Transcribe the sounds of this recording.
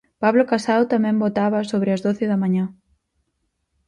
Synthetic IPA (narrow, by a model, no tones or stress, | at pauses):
paβlokasaðwt̪amɛ̃mbot̪aβɐsoβɾɪɐzðoθɪðɐmaɲa